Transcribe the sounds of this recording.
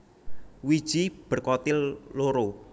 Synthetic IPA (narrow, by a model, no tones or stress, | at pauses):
wid̥ʒ̥ib̥ə̤rkɔt̪ɪlːoɾo